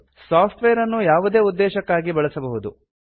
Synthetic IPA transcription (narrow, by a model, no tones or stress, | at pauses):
saːpʰʈʋejɐɾɐnːujaːʋud̪e̞ːud̪ːɛːʃɐkːaːɡibɐɭɐsɐbɐɦud̪u